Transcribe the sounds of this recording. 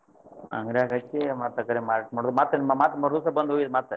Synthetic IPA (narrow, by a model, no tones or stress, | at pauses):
ɐ̰ŋɡɾaːkɐt͡ʃːemaːt̪ɐkːɐɾemaːɾʈmɐɽd̪maːt̪ɾɐnmamaːt̪ɾɐmɐɾusɐbɐnd̪ʱɦoːɡid̪maːt̪ɾɐ